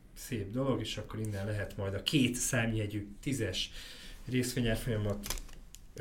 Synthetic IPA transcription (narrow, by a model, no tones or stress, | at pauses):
seːbd̪o̞lo̞ɡeːʃɒkːo̞ɾinːɛnlɛɦɛt̪mɒjd̪ɒkeːt̪saːmiɛɟyːt̪izɛʃreːsʋeːɲɛrfo̞jɒmɒt̪